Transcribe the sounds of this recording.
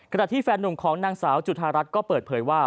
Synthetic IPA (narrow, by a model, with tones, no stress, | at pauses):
kʰa˧na˨˩t̪ʰiː˥˩fɛː˧nːu˨˩mkʰɔː˩˦ŋnaː˧ŋsaː˩˦wt͡ɕu˨˩t̪̚ʰaː˧ɾa˦˥t̪̚kɔː˥˩pɤː˨˩t̪̚pʰɤː˩˦jwaː˥˩